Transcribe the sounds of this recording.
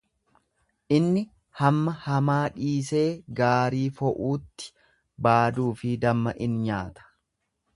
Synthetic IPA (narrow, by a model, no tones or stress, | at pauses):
ʔɪnːɪ | hɐmːɐhɐmaːᶑiːse̞ːɡaːɾiːfɔʔuːt̪ːɪ̥ | baːd̪uːfɪd̪ɐmːɐʔɪnɲaːt̪ɐ̥